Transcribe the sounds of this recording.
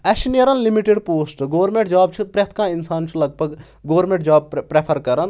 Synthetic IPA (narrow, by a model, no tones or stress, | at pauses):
ɐʃinəɾɐnlimiʈeɖpoːsʈɡoːʋɾmẽɳʈd͡ʒaːbt͡ʃʰipɾʲɐt̪ʰkãːinsaːnt͡ʃʰulɐɡ̚bɐɡ | ɡoːɾmẽɳʈd͡ʒaːb̚pɾepʰɐɾkɐɾɐn